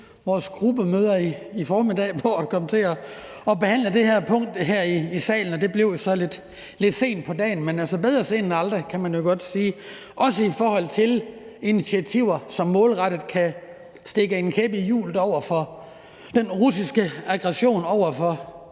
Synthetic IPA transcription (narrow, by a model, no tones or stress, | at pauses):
ʋɒːsɡ̥ʁub̥əmøːð̞ˠɐiifɒːmid̥ɛ̰ːpʰɒkʰɒ̽mət͡sʰe̝ɒ | ɒ̽b̥e̝hæn̰ləd̥e̝hæɐpʰɔ̽ŋ̰d̥ɦæɐ̰iːsɛ̰ːln̩ɒ̽d̥e̝b̥le̝ʊ̰josɒ̽le̝d̥ | le̝d̥se̝̰ːnd̥̚pʰɒ̽dɛ̰ːn̩menælsɒb̥eð̞ˠʁɐse̝ːnn̩æld̥ʁɐkʰæmænjo̝ɡ̥ɒ̽d̥siː | ʔɒ̽səifɒːhɒ̽l̰t͡sʰe̝l | init͡sʰiæt͡sʰiʊ̰ɐsɒ̽mːɔ̽ːlʁɑɾ̥ð̩ˠkʰæ | sd̥e̝ɡ̥əe̝nkʰeb̥ijṵːld̥ɒʊ̰ɐfɒ | d̥enʁusisɡ̥əɑɡ̥ʁɛɕo̝̰ːnɒʊ̰ɐfɒ̽